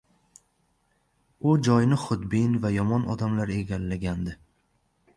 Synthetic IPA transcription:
ʊd͡ʒɒjnɪχʊd̪bɪnvajɒmɒnɒ̰d̪amlaɾe̞ɡʲalːaɡʲand̪ɪ

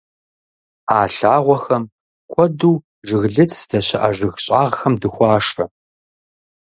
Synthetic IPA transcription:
aːɬaːʁʷɔxɐm | kʷʰɔduː | ʒɨɣɮɨt͡sʰsd̥ɐɕɐʔɐʒɨɣɕʼaːʁxɐmdɨxʷɑːʂɐ

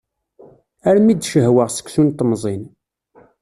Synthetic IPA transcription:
æɾmid̪ʃəɦwəʁsə̥ksunt̪ːmzˤin

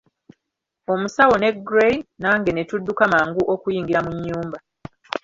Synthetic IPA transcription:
o̞musawo̞ne̞ɡɾejnaːŋɡe̞ne̞tudːukamaːŋɡuʔo̞kujiːŋɡiɾamuɲːuːmba

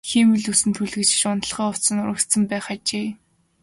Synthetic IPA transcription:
xiːmɘ̆ɮusɘ̆nt̪ʰuɮɣɘ̆t͡ɕ̆ʃʊnə̆ɮχœːʊsə̆nʊɾə̆kt̪sə̆mpæːχat͡ɕeː

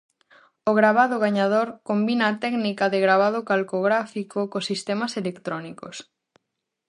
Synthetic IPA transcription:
oɣɾaβaðoɣaɲað̞oɾkombinaːt̪ɛɡnikaðeɣɾaβ̞að̞okalkoɣɾafikokosist̪ɛmɐselekt̪ɾɔniko̰s

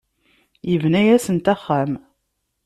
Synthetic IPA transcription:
jəvnæjæsənt̪æχːæm

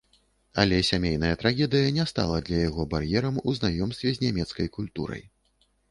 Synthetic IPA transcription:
ɐ̰lʲɛsʲamʲejn̪ɐjɐt̪ɾaɣʲɛd̪ɨjɐnʲɛst̪a̰lˠɐd̪lʲɐjaɣɔbarjɛɾɐmuznajɔmst̪vʲɛzʲnʲamʲɛt̪skɐjkulʲt̪uɾɐ̰j

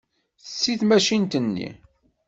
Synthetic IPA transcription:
sːiθmæʃint̪ənːḭ

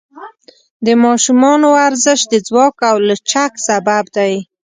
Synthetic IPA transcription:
d̪əmɑʃumɑnoaɾzəʃd̪əd͡zwɑkawlat͡ʃaksababd̪aj

